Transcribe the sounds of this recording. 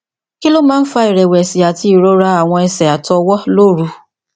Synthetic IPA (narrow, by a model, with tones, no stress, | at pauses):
ki˦lo˦mãː˦n̩˦fa˧i˨ɾɛ˨wɛ˨si˨a˨ti˧˦i˨ɾo˨˦ɾa˧a˦˨w̃ɔ̃˧ɛ˧sɛ˨a˨tɔ˧wɔ˦lo˦˨ɾu˧